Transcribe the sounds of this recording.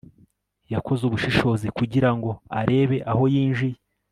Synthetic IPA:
jakʰo̞zuβuʃiʃo̞ːzikuɟiɾaŋɡo̞a̰ɾe̞ːβe̞ʔaho̞jiːnʒije

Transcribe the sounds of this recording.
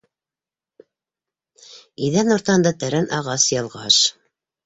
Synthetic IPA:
iðænŏɾt̪ɑnd̪ɑt̪æɾænʔɑʁɑsjɑlˠʁɑʃ

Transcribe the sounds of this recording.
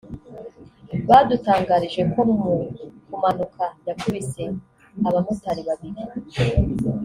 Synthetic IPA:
βadutaːŋɡaɾiʒe̞koukumanukʰajakuβise̞ | aβamutaɾiβaβiɾi

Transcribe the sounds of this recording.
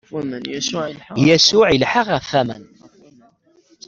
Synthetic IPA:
m | jæsʊʕilħəʁəfːæmə̰n

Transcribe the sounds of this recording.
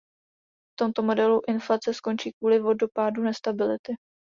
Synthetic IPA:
ft̪o̞mt̪o̞mo̞dɛluʔɪnflat͡sɛsko̞nt͡ʃiːkvuːlɪvo̞dopaːdunɛst̪abɪlɪt̪ɪ

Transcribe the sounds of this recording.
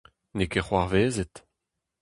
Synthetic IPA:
nekeχwaʁveːzet̪

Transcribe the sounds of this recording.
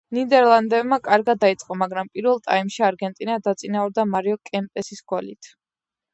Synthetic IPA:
nid̪ɛɾlˠand̪ɛvmakʼaɾɡad̪ːait̪sʼqʼɔmaɡɾampʼiɾvɛlˠt̪ʼaimʃiaɾɡɛnt̪ʼinad̪at̪sʼinauɾd̪amaɾiɔkʼɛmp̪ʼɛsisɡɔlit̪ʰ

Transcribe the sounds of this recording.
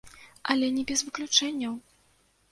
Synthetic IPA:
ɐlʲɛnʲɛbʲɛzvɨklʲut͡ʂɛnʲːɐw

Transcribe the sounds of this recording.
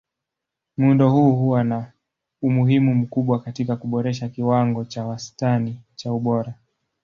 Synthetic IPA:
muundɔhuːhuwana | umuɦimum̩kuɓwakatikakuɓɔɾɛʃ̬akiwaŋɡɔt͡ʃawastanit͡ʃauɓɔɾa

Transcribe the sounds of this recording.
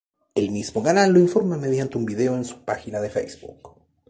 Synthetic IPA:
e̞lmizmo̞ɣanalːoiɱfo̞ɾmame̞ðjant̪eumbiðeoensu̥paxinaðe̞fḛjzbṵk

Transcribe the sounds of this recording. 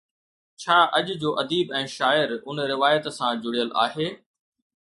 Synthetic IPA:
t͡ɕʰaːʔɐʄd͡ʑoːʔɐd̪iːbɛ̃ːʃaːɪɾʊnɾɪʋaːjət̪sãd͡ʑʊɽijəlʔa̰ːɦeː

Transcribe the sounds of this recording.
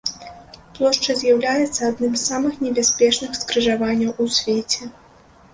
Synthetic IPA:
plˠɔʂt͡ʂɐzʲjawlʲajɛt̪sːɐad̪nɨmzːamɨxnʲɛbʲasʲpʲɛt͡ʂnɨxskɾɨʐavanʲːɐwʔusʲvʲet͡sʲɛ

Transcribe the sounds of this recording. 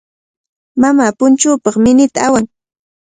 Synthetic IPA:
mamaːpʊnt͡ʃuːpɑχmɪnɪt̪aawaŋ

